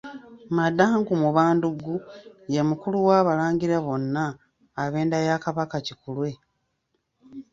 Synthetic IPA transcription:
madːaŋɡumuβaːnduɡuje̞mukuluwaːβalaːɲɟiɾaβo̞nːaː | βe̞ːndajaːkaβakacikulwe̞

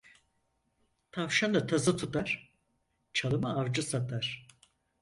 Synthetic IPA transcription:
t̪ʰavʃand̪at̪ʰazɯt̪ʰut̪aɾ̥ | t͡ʃʰalˠɯmaaɾd͡ʒasat̪ʰaɾ̥

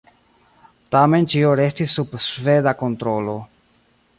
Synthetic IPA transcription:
tame̞nt͡ʃioɾestisːubsved̪ako̞nt̪ɾolo̞

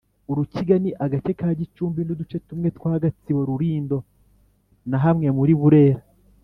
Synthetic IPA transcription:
uɾuciɡaniʔaɡat͡ʃe̞kaːɟit͡ʃuːmbinidut͡ʃe̞tumŋe̞twaːɡat͡siβo̞ɾuɾiːndo̞ | naɦamŋe̞muɾiβuɾe̞ːɾa

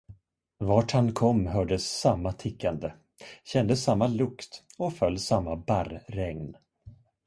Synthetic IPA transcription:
vaːʈhankʰɔmːɦœːɖəsːamːat̪ʰɪkːand̪ə | ɕɛnd̪əsamːalɵkt̪ɔfœlːsamːabaɾɾɛŋn

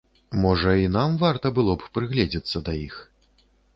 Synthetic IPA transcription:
mɔʐɐinamvart̪ɐbɨlˠɔppɾɨɣlʲɛd͡zʲɛt̪sːɐd̪ɐjix

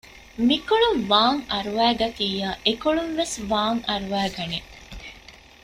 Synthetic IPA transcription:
mikoɭumʋaːŋɐɾuʋæːɡɐt̪iːjaːʔekoɭunʋesʋaːŋɐɾuʋæːɡɐne

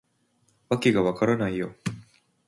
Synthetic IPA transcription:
βakʲiɡaβakaɾanaijo

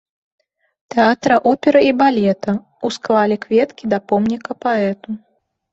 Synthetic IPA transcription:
t̪ɛat̪ɾɐʔɔpʲɛɾɐibalʲɛt̪ɐ | usklˠalʲɛkvʲɛt̪kʲid̪ɐpɔmnʲikɐpaɛt̪u

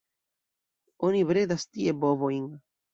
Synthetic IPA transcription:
oniβɾed̪ast̪iebovoiŋ

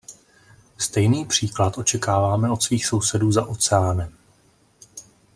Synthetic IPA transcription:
st̪ɛjniːpr̝̥iːklat̪ʔo̞t͡ʃɛkaːvaːmɛo̞t̪sviːxso̞wsɛduːzaʔo̞t͡sɛaːnɛm

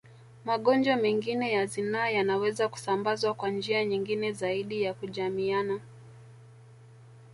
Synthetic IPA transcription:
maɠɔnd͡ʒwamɛŋɡinɛjazinaːjanawɛzaku̥sambazwakwand͡ʒiaɲiŋɡinɛzaiɗijakuʄamiana

